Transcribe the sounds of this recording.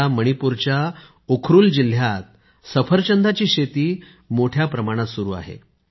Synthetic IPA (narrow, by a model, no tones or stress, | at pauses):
aməɽ̃ipuɾt͡ɕja | okʰɾuːld͡ʑil̤jat̪̚ | səfʰəɾt͡ɕənd̪ʱat͡ɕiːɕet̪iː | moʈʰjapɾəmaɽ̃at̪suɾuːa̰ɦḛ